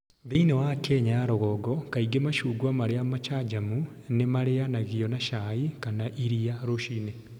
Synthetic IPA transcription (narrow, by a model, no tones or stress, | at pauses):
ðiinewakeɲaɾoɣɔɡɔkaiɡemaʃuːɡwamaɾeamat͡ʃad͡ʒamu | nemaɾeanaɣiɔnaʃaikanaʔiɾiaɾoʃine